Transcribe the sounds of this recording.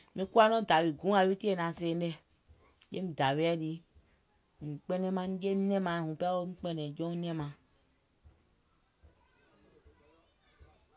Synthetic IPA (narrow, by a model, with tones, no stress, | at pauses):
mĩ˧ku˦a˦nɔ̃˦da˨wi˨ɡũ˨˦a˨ju˦ti˦e˦˨nã˨se˨n˦de˦ | d͡ʒe˦m̩˨da˨wi˦ɛ˦di˨˦ | ŋ̩˨k͡pɛ˦nɛ̃˦mã˦ŋ˦d͡ʒe˦m˦nɛ̃˦mã˨hũ˨pwo˦m̩˦k͡pɛ˦nɛ̃˨d͡ʒɔ̃˦nɛ̃˦mã˨